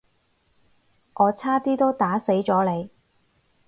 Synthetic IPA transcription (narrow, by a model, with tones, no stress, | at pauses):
ʔɔː˨˧t͡sʰaː˥t̪iː˥t̪o˥wt̪aː˨˥se˨˥jt͡sɔː˨˥le˨˧j